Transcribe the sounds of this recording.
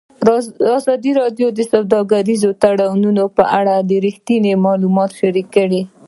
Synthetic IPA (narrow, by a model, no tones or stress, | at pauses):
ɑzɑd̪iɾɑɖjod̪əsawd̪ɑɡaɾizot̪aɽawnunopəʔaɽad̪əɾixt̪inemɑlumɑt̪ʃaɾikːəɽi